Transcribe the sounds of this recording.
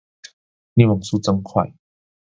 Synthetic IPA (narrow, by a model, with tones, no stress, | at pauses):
nĩ˥˧˩mo˨˩ŋsuː˦t͡sə˧˥ŋkʰwa̰˥˧˨j